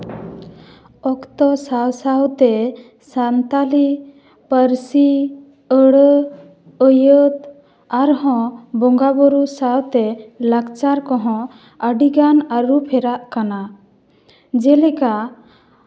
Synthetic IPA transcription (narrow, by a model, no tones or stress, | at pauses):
ɔkt̪ɔsawsawt̪ɛ | sant̪ali | pəɾsi | əɽə | əjət̪ | aɾɦɔ̃bɔŋɡabɔɾusawt̪ɛlaɡt͡ʃaɾkɔɦɔ̃ | əɖiɡanaɾupʰɛɾaʔkana | d͡ʒɛlɛka